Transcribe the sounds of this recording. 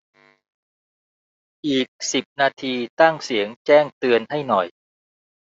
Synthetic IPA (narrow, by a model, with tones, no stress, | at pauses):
ʔiː˨˩k̚si˨˩p̚naː˧t̪ʰiː˧t̪a˥˩ŋsi˩˦əŋt͡ɕɛː˥˩ŋt̪ɯ˧ənha˥˩jnɔ˨˩j